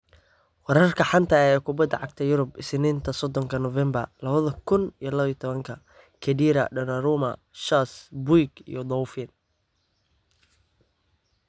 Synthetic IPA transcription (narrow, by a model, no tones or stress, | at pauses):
wɑɾɐrkʰɐħɑnt̪ʰɐɛːkʰʊbɐd̪ɐʕɑɡ̚t̪ʰɐjʊɾʊbɪsniːnt̪ʰɐsɔd̪ɔŋkʰɐnɔvɛmbɐrlɐβɐðɐkʰʊnijɔlɐβijɔt̪ʰɔβɐŋkʰɐ | kʰɛdiːɾɐ̰ɖɐnɐɾumɐ | ʃasbujɡḭjɔd̪ɔwfɪn